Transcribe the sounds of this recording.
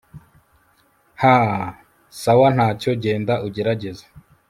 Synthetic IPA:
ha | sawan̥haːco̞ɟe̞ːndaʔuɟeɾaɟe̞zḁ

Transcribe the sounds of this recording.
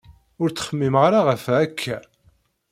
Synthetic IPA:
ʊɾt͡sːə̥χəmːimʁɾaʁəfækʰːæ

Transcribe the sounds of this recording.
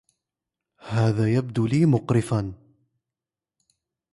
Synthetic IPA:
haːðaːjab̚d̪uːliːmʊqɾɪfan

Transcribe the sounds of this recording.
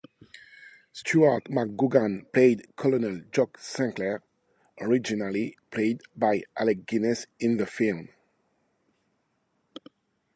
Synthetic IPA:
stʰuatmak̚ɡuɡãnpleɪdkʰɔlɔnəld͡ʒɔksæ̃ŋkləɹ | ʔɔɹɪd͡ʒinalipʰleɪdbajʔalɛk̚ɡ̥ɪnɛsɪ̃nðəfilˠm

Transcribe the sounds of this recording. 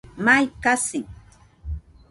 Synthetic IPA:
majkasɪŋ

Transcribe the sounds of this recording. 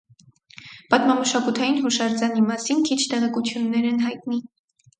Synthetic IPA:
pɑt̪mɑməʃɑkut̪ʰɑjinɦɔʃɑɾd͡zɑnimɑsinkʰit͡ʃʰt̪ɛʁɛkut͡sʰjunːɛɾɛnɦɑjt̪ni

